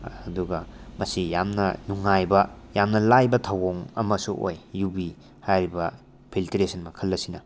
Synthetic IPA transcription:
duɡɐmɐsijamnɐnuŋːajbɐjamnɐlajbɐtʰawoŋɐmɐsuʔo̰jːubi | hajɾibɐ | pʰiltiɾesɐnmɐkʰɐlːɐsinɐ

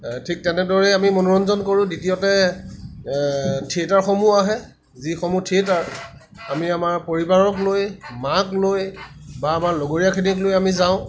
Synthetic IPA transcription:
tʰik̚tɛnɛdɔɹɛamimɔnɔɹɔnzɔnkoɹʊ̃ditijɔtɛ | tʰietaɹxɔmuaɦɛ | zixɔmutʰietaɹ | amiamaɹpoɹibaɹɔklojmaklojbaːmaɹlɔɡoɹijakʰiniklojamizaʊ̃

